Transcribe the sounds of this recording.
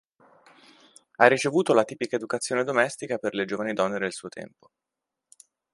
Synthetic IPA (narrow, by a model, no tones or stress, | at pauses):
arːit͡ʃevuːt̪olat̪iːpikaed̪ukat̪sːjoːned̪omɛst̪ikaperled͡ʒoːvanid̪ɔnːed̪elsuːot̪ʰɛ̰mpo̥